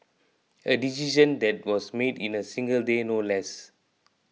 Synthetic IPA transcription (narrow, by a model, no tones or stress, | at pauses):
ədisiʃə̃nd̪ɛt̚wɔsmedĩnəsĩŋɡəldenolɛs